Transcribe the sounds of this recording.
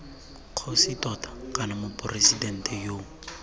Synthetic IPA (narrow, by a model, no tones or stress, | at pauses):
q͡χʰositʼɔtḁkʼanamʊpʼɔresidɛn̩tʼɛjoː